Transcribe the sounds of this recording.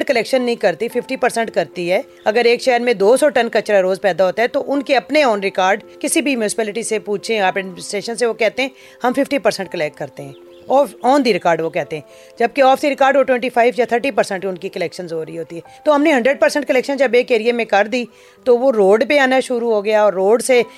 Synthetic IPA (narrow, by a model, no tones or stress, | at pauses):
ʈkəlɛːkʃənːɐɦĩkɐɾt̪ifʰɪfʰʈipəɾsə̃ɳʈkɐɾt̪iɦɛː | ɐɡəɾeːkʃɛɦɾmẽd̪oːsɔːʈɐnkɐt͡ʃɾaɾoːzpɛːd̪aɦoːt̪aɦɛt̪oʔʊnkeɐpneɔːnɾɪkaːɾɖkɪsibʱimjʊːsɪ̥pɛːlɪʈisepuːt͡ʃʰeaːpɛseːʃənseʋokɛːt̪eɦɛ̃ː | hɐmfɪfʈipəɾsə̃ɳʈ̚kəlɛʈ̚kːɐɾt̪eɦɛ̃ː | ɔːɔːnd̪iɾɪkaːɾɖʋokɛɦt̪eɦɛ̃ː | d͡ʒɐb̚keɔːfd̪iɾɪkaːɾɖʋoʈwɛ̃ːɳʈipʰaːɪʋjat̪ʰəɾʈipəɾsə̃ɳʈʊnkikəlɛːkʃənzoːɾəiɦoːt̪iɦɛːt̪oɦɐmneɦɐ̃ɳɖɾəɖ̚pəɾsə̃ɳʈkəlɛːkʃə̃nd͡ʒɐbeːkeːɾiemẽkɐɾd̪i | t̪oʋoɾoːɖpeaːnaʃʊɾuɦoɡɐjaɔːɾːoːɖse